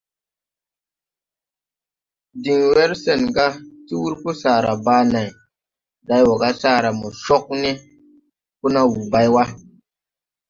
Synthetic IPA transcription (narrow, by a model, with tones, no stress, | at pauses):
di˨ŋwe˦ɾse˨nɡa˦ti˦wu˦ɾpu˦saː˨ɾa̰˨baː˧˦na˨j | da˧jwɔ˨ɡa˦saː˦˨ɾa˨mɔ˨ʃɔ˦k̚ne˦ | ku˦na˦wu˨ba˧˦jwa˦